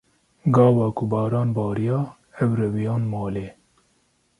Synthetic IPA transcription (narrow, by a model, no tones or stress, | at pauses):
ɡɑːwɑːkʊbɑːɾɑːnbɑːɾijɑː | ɛwɾɛwijɑːnmɑːleː